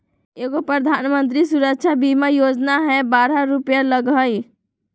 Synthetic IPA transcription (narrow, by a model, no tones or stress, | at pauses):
eɡopɾəd̪ʱanmənt̪̬ɾisuɾəkt͡ʃʰabimajod͡ʒnaɦɛbaɾaɾupjaləɡʱəj